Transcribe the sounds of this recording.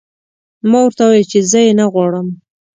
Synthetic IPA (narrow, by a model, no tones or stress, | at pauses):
mɑwəɾt̪awɑjat͡ʃezəjenaɣwɑɽəm